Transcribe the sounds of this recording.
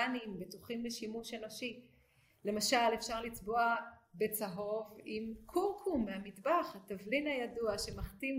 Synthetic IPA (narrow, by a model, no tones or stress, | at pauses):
animbe̞tuχimleʃimuʃenoʃi | le̞maʃalefʃaʁlit͡sboabe̞t͡saɦo̞vimkʰuʁkʰumːeamidbaχhatavlinajaduaʃe̞maχtim